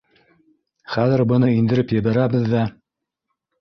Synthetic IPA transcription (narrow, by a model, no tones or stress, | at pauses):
χæðɘ̆ɾbɤ̆nɤind̪ɘ̆ɾɘpjɘ̆βæɾæβɘðːæ